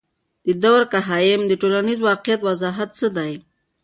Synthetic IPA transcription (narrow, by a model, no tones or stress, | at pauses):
d̪̥əd̪awɾkaɦɑjɪmd̪əʈolanizwɑqɪjat̪wazɑɦat̪səd̪aj